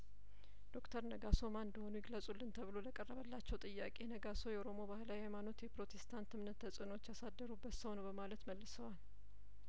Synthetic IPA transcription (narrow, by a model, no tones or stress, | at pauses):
d̪̥o̞kt̪ʰəɾnəɡaso̞mand̪əho̞nujɪɡləsʼulːɨnt̪ʰəβɨlo̞ləkʼərːəβəlːat͡ʃːɛwt̪ʼɨjːakʼe̞nəɡaso̞jɛʔoɾo̞mo̞bahlajhajmano̞t̪jɛpɾo̞t̪ʰest̪ʰant̪ɨmnət̪ʰːəsʼɨno̞t͡ʃːjasad̪ːəɾubːət̪səwnəwbəmalət̪məlːɨsəwal